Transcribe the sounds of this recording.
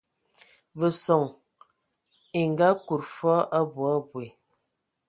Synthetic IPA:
və˨sɔ˨ŋ | i˨ŋɡa˦ku˨ɾfɔ˦ʔa˦bu˨a˦bwe˨

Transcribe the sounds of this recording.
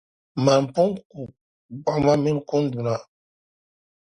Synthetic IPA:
ma˨m̩˨po˦ŋku˨ | ɡ͡ba˦ma˦mi˦n˦ko˦n˦du˨na˨

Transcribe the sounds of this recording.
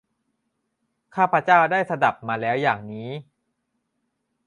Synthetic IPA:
kʰaː˥˩pʰɾa˦˥t͡ɕaː˥˩wdaː˥˩jsa˧da˨˩p̚maː˧lɛː˦˥wjaː˨˩ŋniː˦˥

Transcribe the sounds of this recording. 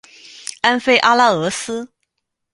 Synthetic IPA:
a˥nfe˥˩ɪʔa˥la˥ɤ˧˥sɹ̩˥

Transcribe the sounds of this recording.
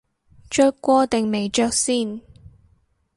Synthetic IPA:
t͡ʃœː˥k̚kːʷɔː˧t̪e˨ŋme˨jt͡ʃœː˧˥k̚siː˥˩n

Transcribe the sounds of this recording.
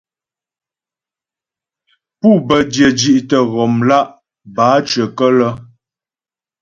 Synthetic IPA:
pu˦˨bə˨djə˨d͡ʒi˦ʔtə˨ɣɔ˨mla˦ʔ | baː˨˦t͡ʃə˨kə˦lə˦

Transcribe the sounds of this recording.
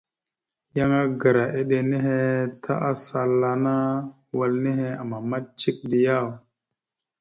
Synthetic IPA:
ja˦ŋa˦ɡa˨ɾa˨ʔe˦ɗe˨ne˦ɦe˦tʰa̰˦ʔa˦sa˨lːa˨na˦ | wa˨lne˦ɦe˦a˨ma˨ma˦t̚t͡ʃi˦k̚di˨ja˦˨w

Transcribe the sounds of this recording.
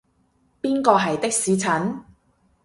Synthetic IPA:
piː˥nkɔː˧ɦɐ˨jt̪ɪ˥k̚siː˨˧t͡sʰɐ˨˥n

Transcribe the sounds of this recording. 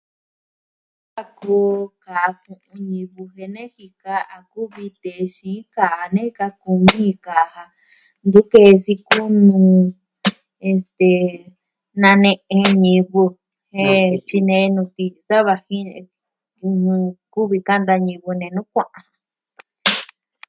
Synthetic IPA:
a˧ko˧˦ka˨˧kũ˧ʔũ˧ɲĩ˧βu˧ɦe˧nẽ˦hi˧ka˧˦a˨ku˦βi˧t̪e˨ʃĩ˨˦ka˨nẽ˦˧ka˧ku˧mĩ˦˧ka˨ha˧ | nd̪u˦ke˧˨˧si˧ku˦nũ˧ | e˧˨st̪e˨ | nã˧nẽ˧ʔẽ˧ɲĩ˧βu˧ | he˦t͡ʃi˧nẽ˧nũ˧t̪i˧sa˦βa˧hĩ˦˧ | ku˦βi˧ka˦nd̪a˧ɲĩ˧βu˧nẽ˧nũ˦kʷã˦˧ʔã˧

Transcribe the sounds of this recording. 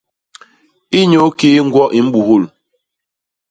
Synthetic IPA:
i˦ɲo˨˦keː˦ŋ̩˦ɡwɔ˦ʔi˨m̩˦bu˨ɦo˦˨l

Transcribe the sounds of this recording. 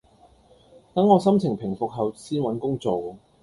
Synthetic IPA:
t̪ɐ˨˥ŋːɔː˨˧sɐ˥mt͡sʰɪ˨˩ŋpʰɪ˨˩ŋfʊ˨k̚ɦɐ˨wsiː˥nwɐ˨˥nkʊ˥ŋt͡so˨w

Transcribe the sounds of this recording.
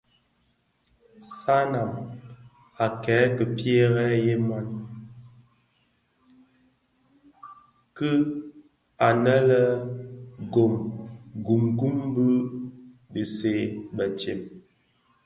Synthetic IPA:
sa˦na˨m | a˨kɛː˨˦kə˨pje˦ɣɛ˦je˦ma˦n | kə˦ | a˨nə˦lə˦ | ɡo˨mɡu˨mɡu˦mbə˦ | bə˨se˨bə˨tje˨m

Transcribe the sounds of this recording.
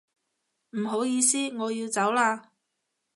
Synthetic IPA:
m̩˨˩ɦo˨˥wjiː˧siː˥ŋɔː˨˧jiː˧wt͡sɐ˨˥wlaː˧

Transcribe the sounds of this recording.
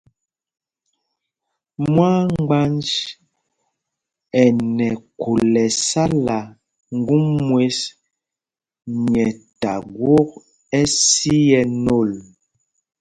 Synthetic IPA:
mwa˦ŋ˦ɡ͡ba˦nd͡ʒ | ɛ˨nɛ˨ku˨lɛ˨sa˦la˨ | ŋ̩˦ɡu˦mːwe˦s | ɲɛ˨ta˨ɡwo˦k̚ | ɛ˦si˦jɛ˨no˦˨l

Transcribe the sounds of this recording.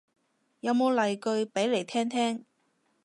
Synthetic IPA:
jɐ˨˧wmo˨˧wlɐ˨˩jkɵ˧ɥpe˨˥jle˨˩jt̪ʰɛː˥ŋt̪ʰɛː˥ŋ

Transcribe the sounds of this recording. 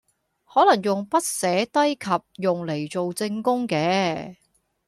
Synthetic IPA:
hɔː˨˥lɐ˨˩ŋjʊ˨ŋpɐ˥t̚sɛː˨˥t̪ɐ˥jkʰɐ˨p̚jʊ˨ŋle˨˩jt͡so˨wt͡sɪ˧ŋkʊ˥ŋkɛː˨˧˥

